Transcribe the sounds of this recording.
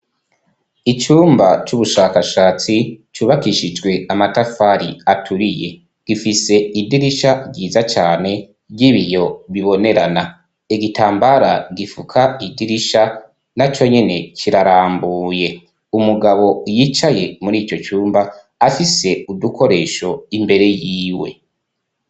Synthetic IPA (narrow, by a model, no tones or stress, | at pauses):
it͡ʃuːmbat͡ʃuβuʃaːkaʃaːt͡sit͡ʃuːβakiʃid͡ʒɡwe̞amatafaɾiatʰuɾije̞̰ | ɡ̥ifise̞idiɾiʃaiːzat͡ʃaːne̞ | bɟiβijo̞βiβo̞ne̞ɾana | iɡitʰaːmbaɾaɡifukʰaidiɾiʃa | nat͡ʃo̞ɲe̞ne̞cʰiɾaɾaːmbuːje̞ | umuɡaβo̞jit͡ʃaje̞muɾiːt͡ʃo̞t͡ʃuːmbaː | fise̞uduko̞ɾe̞ːʃo̞imbe̞ɾe̞jiːwe̞̰